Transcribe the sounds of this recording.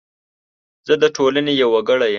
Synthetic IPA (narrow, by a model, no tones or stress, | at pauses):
z̥əd̪əʈʰolanejawːaɡəɽajə